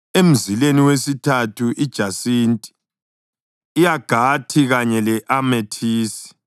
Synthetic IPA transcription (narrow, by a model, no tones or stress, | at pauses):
em̩zileniwesitʰatʰuʔid̥ʒ̥ʱasintʼi̥ | jaɡ̥ʱatʰiɣaɲɛlɛʔametʰiːsi̥